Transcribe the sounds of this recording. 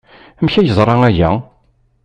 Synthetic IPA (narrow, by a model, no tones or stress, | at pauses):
mçæjəzˤɾˤɑæʝæ̰